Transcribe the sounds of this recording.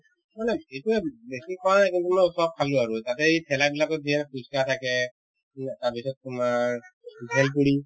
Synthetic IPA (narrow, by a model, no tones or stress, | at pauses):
manɛetuɛbesikʰɔɹanajkintumɔjɔsɔb̚kʰalʊaɹutatɛipʰɛlabilakɔbʱiɛnkʰuskatʰakɛ | taɹpisɔt̚tumaɹbʱɛlp̬uɽi